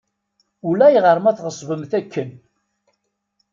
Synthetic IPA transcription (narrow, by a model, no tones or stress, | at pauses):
ulæjʁəɾˤmæθʁəsˤvəmθækːən